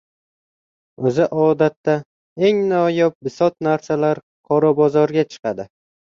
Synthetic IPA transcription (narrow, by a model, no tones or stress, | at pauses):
ɵzɪʔɒd̪at̪ːa | e̞ŋnɒjɒp̚bɪsɒt̪̚naɾsalaɾ | qʰɒɾɒbɒzɒɾɡʲat͡ʃʰɨ̥qʰɑd̪ɪ